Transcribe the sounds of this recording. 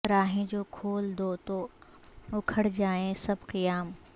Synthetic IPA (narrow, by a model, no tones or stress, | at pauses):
ɾaːɦẽd͡ʑoːkʰoːld̪ot̪o | ʊkʰəɽd͡ʑaːẽsɐbʱqɪjaːm